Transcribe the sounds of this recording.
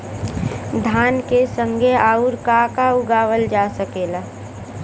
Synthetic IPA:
d̪ʱaːnkesə̃ŋɡʱeaːuɾkakaʊɡaːʋəld͡ʒaːsəkeːlaː

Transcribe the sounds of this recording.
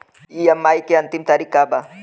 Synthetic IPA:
ijamːajkeant̪imt̪aɾikaba

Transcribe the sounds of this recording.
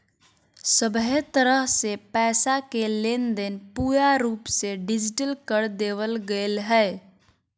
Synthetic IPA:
səbɦet̪əɾəɦsepɛsakelend̪enpujaɾupseɖid͡ʒiʈəlkəɾd̪eβəlɡelɦɛː

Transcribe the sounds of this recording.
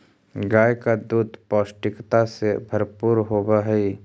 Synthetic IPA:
ɡaːjkad̪uːd̪pɔːsʈɪkt̪asebʱəɾpuːɾɦoːbaɦɛi

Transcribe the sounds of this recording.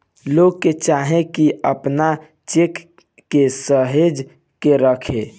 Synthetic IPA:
loɡ̚ket͡ʃaːɦẽkiəpna | t͡ʃekː | esəɦed͡ʒ | keɾəkʰḛ̃

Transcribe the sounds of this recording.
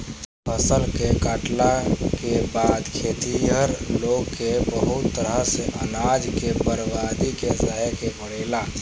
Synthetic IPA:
pʰəsəlkekaːʈlakebaːd̪kʰeːt̪iəɾloːɡkebəɦʊt̪ːəɾəseʔə̰naːd͡ʒkebəɾbaːd̪ikesəɦəkebəɽeːlaː

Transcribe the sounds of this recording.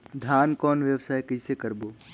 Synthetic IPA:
d̪ʱjaːnkɔːnʋjəwsaːkɪsekɐɾboː

